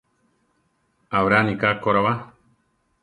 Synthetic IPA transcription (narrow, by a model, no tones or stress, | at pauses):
aβɾanikakoɾaβa